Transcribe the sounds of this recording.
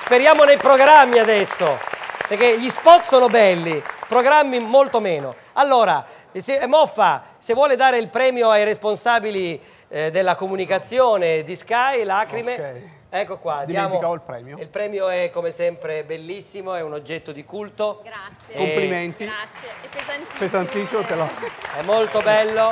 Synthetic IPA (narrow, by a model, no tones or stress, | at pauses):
speɾjaːmonejpɾoɡɾamːiad̪ɛsːopeɾk̟eʎispɔt̪soːnobɛlːipɾoɡɾamːimolt̪omeːno̰ | alːoːɾa | semɔfːasevwɔːled̪aːɾeilpɾɛːmjoajɾesponsaːbili | d̪elːakomunikat̪sːjoːned̪iskajlaːkɾime | ɛkːokwad̪ijaːmoailpɾɛːmjoilpɾɛːmjoɛkːomesɛmpɾebelːisːimoɛunod͡ʒːɛt̪ːod̪ikult̪o | opliment̪i | pezant̪isːimot̪elaɛmːolt̪obɛlːo